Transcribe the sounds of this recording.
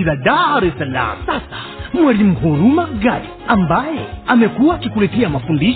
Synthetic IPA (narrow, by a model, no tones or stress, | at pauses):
iðadaɾɛsala̰m̩sasḁ | mwalim̩huɾumaɡai | ambajɛamɛkuwaːkikulɛtɛamafundiʃ